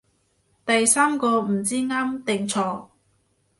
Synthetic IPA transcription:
t̪ɐ˨jsaː˥mkɔː˧m̩˨˩t͡siː˥ŋaː˥mt̪ɪ˨ŋt͡sʰɔː˧˥

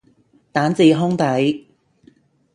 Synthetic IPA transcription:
t̪aː˨˥nt͡siː˧ɦʊ˥ŋt̪ɐ˨˥j

